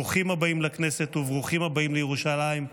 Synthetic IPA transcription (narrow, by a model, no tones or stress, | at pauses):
uχimabaimlakne̞set̪uvʁuχimabaimlejeʁuʃalaim